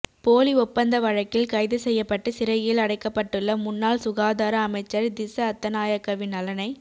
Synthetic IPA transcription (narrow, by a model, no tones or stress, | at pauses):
poːliʊpːɐnd̪ɐʋɐɻɐkːɪlkɐɪðɯsɛjːɐpːɐʈːɯsɪɾɐjɪlɐɽɐɪkːɐpːɐʈːɯɭːɐmʊnːaːlsʊɣaːðaːɾɐːmɐɪt͡ʃːɐɾd̪ɪsɐɐt̪ːɐnaːjɐkːɐʋɪnɐlɐnɐɪ